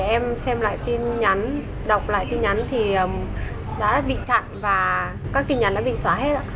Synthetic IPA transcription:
ʔɛ˧msɛ˧mla̰ː˧˨jt̪i˧nɲa˨˦n | ɗa˨˩wk͡p̚la̰ː˧˨jt̪i˧nɲa˨˦nt̪ʰi˨˩ʔəː˨˩m | ɗa̰ː˧˥ɓḭ˧˨t͡ɕa̰˧˨nvaː˨˩ | kaː˦˥k̚t̪i˧nɲa˨˦nɗa̰ː˧˥ɓḭ˧˨swaː˨˦ɦe˦˥t̚a̰ː˧˥

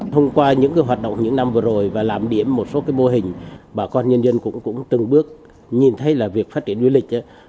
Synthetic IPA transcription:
tʰə˧wŋ͡mkwaː˧ɲɨ̰˧˥ŋkə˧˦jɦwaː˨˩t̚ɗo̰˧˨ŋ͡mɲɨ̰˧˥ŋna˧mvɨ˨˩əzo˨˩jvaː˨˩laː˨˩mɗi˧˩əmːo˨˩t̚so˨˦kaː˨˦jmo˧ɦï˨˩ŋ̟ɓaː˨˩kɔ˧nɲə˧nzə˧nkʊ̰˧˥ŋ͡mkʊ̰˧˥ŋ͡mt̪ɨ˨˩ŋɓɨ˦˥ək̚ | ɲi˨˩nt̪ʰə˨˦jlaː˨˩vi˨˩ək̚faː˦˥t̚t͡ɕi˧˩ənzwlï˨˩k̟̚ʔa˨˦

